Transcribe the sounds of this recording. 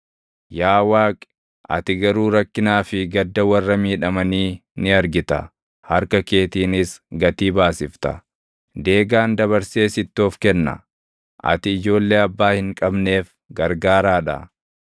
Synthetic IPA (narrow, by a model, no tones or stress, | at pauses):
jaːwaːkʼ | ʔɐ̰t̪ɪɡɐɾuːɾɐkːɪnaːfɪɡɐd̪ːɐwɐrːɐmiːᶑɐmɐniːnɪɐɾɡɪt̪ɐ̰ | hɐɾkɐke̞ːt̪iːnɪsɡɐt̪iːbaːsɪft̪ɐ̰ | d̪e̞ːɡaːnd̪ɐβɐɾse̞ːsɪt̪ːoɔfkɛnːɐ̰ | ʔɐ̰t̪ɪːd͡ʒo̞ːlːe̞ːɐbːaːhɪŋkʼɐbne̞ːf | ɡɐɾɡaːɾaːᶑɐ̰